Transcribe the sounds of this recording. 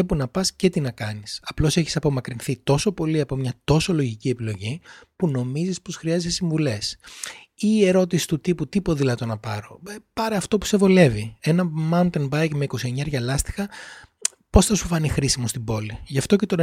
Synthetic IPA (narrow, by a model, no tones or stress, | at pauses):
epunɐpɐsce̞t̪inɐkɐnisɐplo̞se̞çi̥sɐpo̞mɐkɾinθit̪o̞so̞po̞liɐpo̞mɲɐt̪o̞so̞lo̞ʝicie̞pilo̞ʝipuno̞mizispo̞sxɾiɐzisesiɱvule̞s | ie̞ɾo̞t̪isi̥t̪ut̪iput̪ipo̞ðilɐt̪o̞nɐpɐɾo̞̰pɐɾɐɐft̪o̞pu̥se̞vo̞le̞vie̞nɐmɐnt̪enbɐjkme̞iko̞sie̞ɲɐɾʝɐlɐst̪i̥xɐ | po̞sθɐsu̥fɐnixɾisimo̞st̪ibo̞liʝɐft̪o̞ce̞t̪o